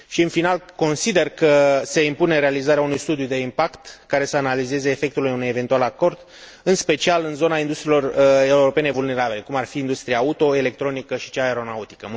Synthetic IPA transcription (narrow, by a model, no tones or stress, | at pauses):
ʃiɨnfinalko̞nsid̪e̞rkəse̞impune̞ɾe̞alizaɾeaunujst̪ud̪jud̪e̞impakt̪kaɾe̞səanalize̞ze̞ːfe̞k̚t̪ulujunujeve̞nt̪ualako̞rd̪ | ɨnspe̞t͡ʃialɨnzo̞naind̪ust̪ɾilo̞re̞uɾo̞pe̞ne̞vulne̞ɾabile̞kumarfiːnd̪ust̪ɾijaut̪o̞e̞le̞k̚t̪ɾo̞nikəʃi̥t͡ʃaeɾo̞naut̪i̥kə